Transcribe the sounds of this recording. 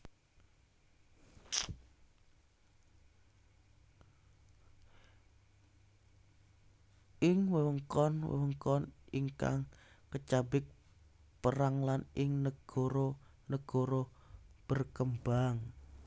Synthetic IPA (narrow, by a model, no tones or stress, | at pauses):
ʔɪŋwəwəŋkɔnwə̰wəŋkɔniŋka̰ŋ | kət͡ʃabɪk̚ | pəɾaŋlanɪŋnəɡ̥ɔɾonəɡ̥ɔɾob̥ərkəmbaŋ